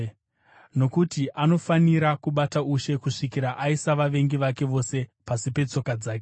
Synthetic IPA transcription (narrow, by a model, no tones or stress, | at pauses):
no̞kutiʔano̞faniɾakuɓatauʃe̞kuʂikiɾaʔaisaʋaʋe̞ŋɡiʋake̞ʋo̞se̞pasipe̞t͡so̞kad͡zaːke